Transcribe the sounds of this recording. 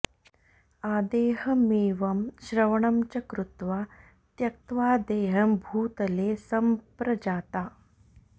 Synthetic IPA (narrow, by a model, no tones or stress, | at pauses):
aːd̪eːɦɐmeːʋɐmɕɾɐʋɐɳ̃ɐmt͡ɕɐkɾut̪ʋaː | t̪jɐk̚t̪ʋaːd̪eːɦɐmbʱuːt̪ɐleːsɐmpɾɐd͡ʑaːt̪aː